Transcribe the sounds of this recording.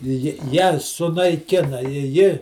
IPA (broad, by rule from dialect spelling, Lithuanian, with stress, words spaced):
ˈjɪ jæː sʊnɐɪˈkʲɪnɐ ɪ ˈjɪ